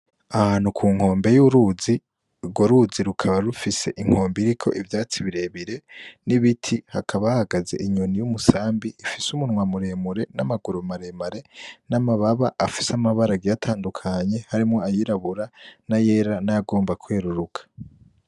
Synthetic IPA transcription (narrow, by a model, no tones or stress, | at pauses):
ahanhukʰuːŋho̞ːmbe̞juɾuzi | ɡwoɾuziɾukʰaβaɾufise̞ʔiŋho̞ːmbiɾikʰo̞̰ʔivjaːt͡siβiɾe̞βiɾe̞niβitʰihakʰaβahaɡaze̞ʔiɲonijumusaːmbiːfisumunŋwamuɾe̞muɾe̞namaɡuɾumaɾe̞maɾe̞namaβaβaʔːfi̥samaβaɾaɡijatʰaːndukʰaɲe̞haɾimŋo̞ajiɾaβuɾanaje̞ːɾanajaɡo̞ːmbakwe̞ːɾuɾukʰḁ